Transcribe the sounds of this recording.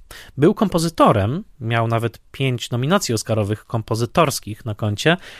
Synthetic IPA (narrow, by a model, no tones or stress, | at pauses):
bɘwkɔmpɔzɘt̪ɔɾɛmːʲjawnavɛt̪pʲjeɲt͡ɕnɔmʲinat̪sʲjiɔskaɾɔvɘxkɔmpɔzɘt̪ɔɾskʲixnakɔɲt͡ɕɛ